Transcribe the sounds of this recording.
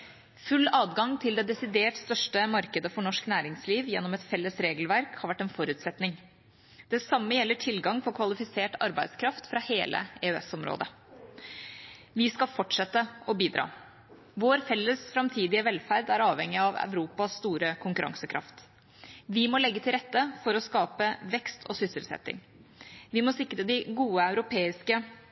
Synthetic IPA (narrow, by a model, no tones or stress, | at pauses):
fʉlːɑːd̪ɡɑŋt̪ʰɪld̪ɛd̪ɛsɪd̪eːʈst̪œʂʈəmɑɾkəd̪əfɔɳɔʂknæːɾɪŋsliːʋjɛnːɔmɛt̪fɛlːəsɾeːɡəlʋæɾkhɑɾʋæʈːɛnfɔɾʉːt̪sɛt̪nɪŋ | d̪̥ɛsɑmːəjɛlːəʈʰɪlɡɑŋfɔɾkʰʋɑlɪfɪseːʈɑ̰ɾbæɪd̪skʰɾɑft̪fɾɑheːlʔə̰eøɛ̰sɔmɾo̰ːd̪ə | ʋɪskɑlfɔʈʂɛt̪ːəɔbiːd̪ɾɑ̰ː | ʋoːɾfɛlːəsfɾɑmt̪ʰiːd̪ɪəʋɛlfæɾd̪æɾɑːʋhɛŋːɪɑʋœ̰ʉɾuːpɑsːt̪uːɾəkʰʊŋkʉɾɑ̰ŋsəkʰɾʔɑ̰ft̪ | ʋɪmɔlɛɡːət̪ʰɪlɾɛt̪ːəfɔɾɔskɑːpəʋɛkst̪ʰɔ̰sʏsɪlsɛ̰t̪ːɪ̰ŋ | ʋɪmɔsɪkːɾəd̪ɪɡuːəœʉɾʊpʰeːɪskə